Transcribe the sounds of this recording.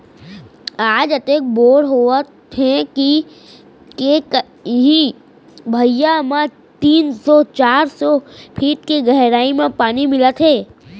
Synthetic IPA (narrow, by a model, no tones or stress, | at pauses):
aːd͡ʒɐt̪eːk̚boːɽɦot̪ | ɦɛ̃ki | kek | ɦĩ | bʱəjamã | t̪iːnsɔt͡ʃaːɾsɔpʰiːʈ̪kiɡəɦɾaːimẽpaːnimɪlət̪ɦeː